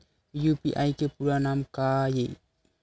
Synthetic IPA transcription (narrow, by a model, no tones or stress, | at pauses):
jupiʔajkepuɾanamkaje